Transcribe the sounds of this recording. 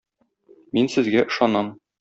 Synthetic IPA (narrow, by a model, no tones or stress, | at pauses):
minsɘ̆zɡæʔɤ̆ʃɑnɑm